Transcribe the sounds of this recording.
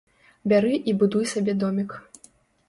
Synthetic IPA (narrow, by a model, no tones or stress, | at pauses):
bʲaɾɨʔibud̪ujsabʲɛd̪ɔmʲik